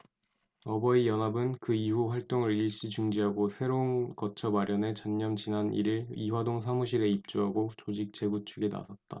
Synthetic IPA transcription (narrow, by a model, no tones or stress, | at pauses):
ʌbʌijʌnabɯnkɯiɦuɸwaɭt͈oŋɯɾiɭɕ͈it͡ɕuŋd͡ʑiɦaɡosʰe̞ɾonkʌt͡ɕʰʌmaɾjʌne̞t͡ɕʌɲːʌmt͡ɕinanḭɾiɾiwadoŋsʰaŋuɕʰiɾe̞ip̚t͡ɕ͈uɦaɡot͡ɕod͡ʑik̚t͡ɕ͈e̞ɡut͡ɕʰuɡe̞na̰sʰʌt̚t͈a̰